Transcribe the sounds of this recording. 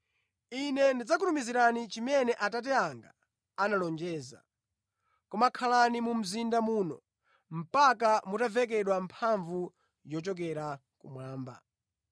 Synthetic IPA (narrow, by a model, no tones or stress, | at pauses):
inɛndid͡zak̬uɾumiziɾanit͡ʃimɛnɛʔatat̬ɛaŋɡa̰ | analɔnd͡ʒɛːza̰ | kɔmakʰalanimum̩zindamuːnɔ̰ | m̩pakamutavɛk̬ɛɗwampʰaɱvu | jɔt͡ʃɔk̬ɛɾa | kṵmwaːmba̰